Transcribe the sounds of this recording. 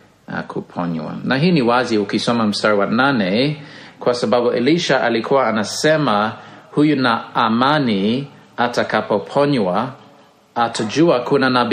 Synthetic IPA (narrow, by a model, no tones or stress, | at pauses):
kʰupʰɔɲwa̰naɦiːniwazihukisɔmam̩staɹiwananɛkʰwasababuʔɛliʃaʔalikʰuaanasɛmahujunaːmani | atakapopʰɔɲwaː | tʰad͡ʒuakʰunanab